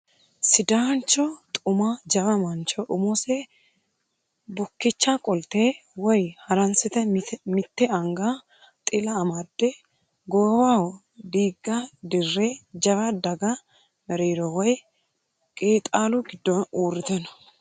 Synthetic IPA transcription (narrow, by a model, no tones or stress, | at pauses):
sɪd̪aːnt͡ʃːɔt̪ʼʊmad͡ʒɐβɐmɐnt͡ʃɔʔʊmɔsɛ | bʊkːɪt͡ʃːakʼɔlt̪eː | wɔjhɐɾɐnsɪt̪ɛmɪt̪ːɛɐŋɡa | t̪ʼɪlɐːmɐd̪ːɛ | ɡoːwawɔ | d̪iːɡːɐd̪ɪrːed͡ʒɐβɐd̪ɐɡɐ | mɛɾeːɾɔwɔj | kʼeːt̪ʼaːlʊɡɪd̪ːɔuːrɪt̪ɛnɔ̥